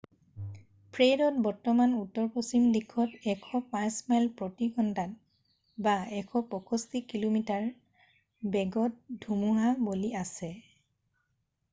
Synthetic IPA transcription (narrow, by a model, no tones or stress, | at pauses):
pʰɹedɔt̚bɔɹtɔmanutːɔɹposimdikʰɔtɛkʰɔpãjsmɛlpɹotiɡɔndʱat̚ | baɛkʰɔpɔkɔstikilomitaɹ | bɛɡɔt̚dʱumuɦaboliasɛ